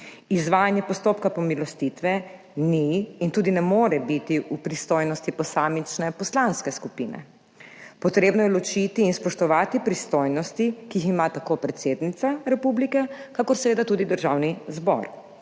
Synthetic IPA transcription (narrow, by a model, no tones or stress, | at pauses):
izʋaːjanjɛpɔst̪opkapɔmilɔst̪it̪ʋɛ | niːnt̪uːd̪inɛmoːɾɛbit̪iʔupɾist̪ojnɔst̪ipɔsaːmit͡ʃnɛpɔslanskɛskupḭnɛ̰ | pɔt̪ɾeːbnɔjɛlɔt͡ʃit̪iːnspɔʃt̪ɔʋaːt̪ipɾist̪ojnɔst̪ikijiximat̪akopɾɛt̪seːd̪nit̪saɾɛpublikɛkakɔɾsɛʋeːd̪at̪uːd̪id̪əɾʒawnizbɔ̰ɾ